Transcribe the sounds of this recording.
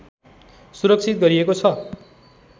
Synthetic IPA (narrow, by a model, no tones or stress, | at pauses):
suɾʌk̚t͡sʰit̪̚ɡʌɾiekot͡sʰʌ